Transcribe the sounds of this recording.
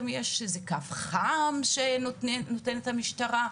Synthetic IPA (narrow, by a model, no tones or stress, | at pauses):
mjeʃezekafχamʃenno̞te̞nethamiʃtaʁa